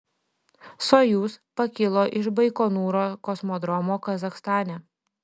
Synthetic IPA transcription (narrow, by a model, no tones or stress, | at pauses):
sojuːspɐkʲɪlˠoːʔɪʃbɐɪkoːnuːɾoːkɔsmɔːd̪ɾɔmoːkɐzɐxst̪ɑːnʲɛː